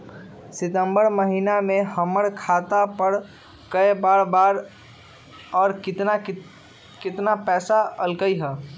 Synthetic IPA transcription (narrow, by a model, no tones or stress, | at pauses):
sɪt̪ə̃mbəɾməɦinamẽhəməɽkʰaːt̪apəɾ | kəebaːɾbaːɾ | ɔːɾkɪt̪na | kɪt̪napɛːsaəlkəiɦɛː